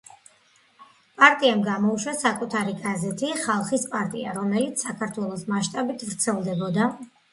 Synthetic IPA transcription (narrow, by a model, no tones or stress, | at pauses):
pʼaɾt̪ʼiamɡamɔuʃwasakʼut̪ʰaɾiɡazɛt̪ʰiχalˠχispʼaɾt̪ʼia̰ɾɔmɛlit̪sʰsakʰaɾt̪ʰwɛlˠɔsmaʃt̪ʼabit̪ʰvɾt̪sʰɛlˠd̪ɛbɔd̪a